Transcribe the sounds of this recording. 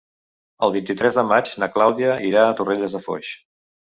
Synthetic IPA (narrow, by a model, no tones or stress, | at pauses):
əlˠβint̪it̪ɾɛzðəmad͡ʒnəklawðiəʔiɾaːt̪ureʎəzðəfɔ̰ʃ